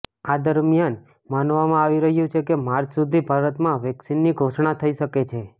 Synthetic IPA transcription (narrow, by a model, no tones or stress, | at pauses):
ad̪əɾmijan | manʋamãaʋiɾəɦjũt͡ʃʰekemaɾd͡ʒsud̪ʱibʱaɾət̪mãʋɛksinːiɡʱoʃɳat̪ʰəiʃəket͡ʃʰe